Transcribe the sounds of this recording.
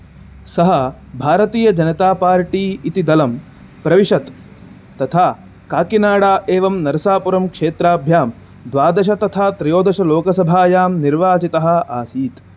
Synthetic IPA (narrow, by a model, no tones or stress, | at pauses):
sɐɦɐ | bʱaːɾɐt̪iːjɐd͡ʒɐnɐt̪aːpaːɾʈiːit̪id̪ɐlɐm | pɾɐʋiʂɐt̪ː | ɐt̪ʰaː | kaːkinaːɽaːʔeːʋɐmnɐɾɐsaːpuɾɐmkʂeːt̪ɾaːbʱjaːm | d̪ʋaːd̪ɐʃ̬ɐt̪ɐt̪ʰaːt̪ɾɐjoːd̪ɐʃɐloːkɐsɐbʱaːjaːmniɾʋaːd͡ʒit̪ɐɦɐ̆ʔaːsiːt̪